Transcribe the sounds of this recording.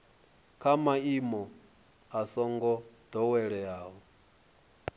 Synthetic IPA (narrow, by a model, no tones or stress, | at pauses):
kʰamaimɔ | asɔŋɡɔd̪̥ɔwɛɺɛaːɦɔ